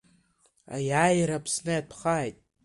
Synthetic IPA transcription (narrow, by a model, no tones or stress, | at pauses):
a̰jajɾapʰsnɨjapʰχaːjtʼ